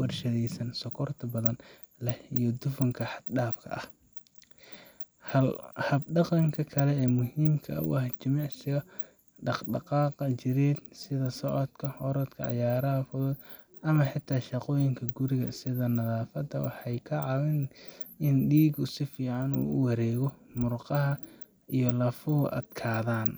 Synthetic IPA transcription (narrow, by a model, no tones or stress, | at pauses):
wɐrʃɐðɛjsɐnsɔkʰɔrt̪ʰɐbɐðɐn | lɐijɔd̪ʊfʊŋkʰɐħɑd̪̚ɖaːfkʰɐ̰ʔɐh | hɐlhɐb̚ɖɑqɑŋkʰɐkʰɐlɛɛːmʊɦiːmkʰɐ̰ʊ̰ʔɐht͡ʃɐmɑʕsɪɣɐ | ɖɑqɖɑqɑːqɐt͡ʃɪɾɛːd̪̚sɪðɐsɔʕɔd̪kʰɐɔɾɔd̪kʰɐʕɑ̰jaːɾɐɦɐfʊðɔd̪ | ʔɐmɐħɪt̪ʰːaːʃɑqɔːjɪŋkʰɐɡʊɾɪɣɐ̰sɪðɐnɐðaːfɐd̪ɐwɑ̰ħɑjkʰɐʕɑwɪnʔɪnɖiːɡʊsɪfiːʕɑnṵːʊwɑɾɛːɣɔmʊrqɑɦɐ | ijɞlɐfʊ̰ʔɐ̰d̪kʰaːðaːn